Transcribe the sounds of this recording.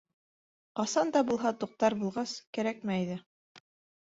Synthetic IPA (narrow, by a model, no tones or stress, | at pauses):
qɑsɑnd̪ɑbulˠɦɑt̪uq̚t̪ɑɾbulˠʁɑskæɾæk̚mæjðɘ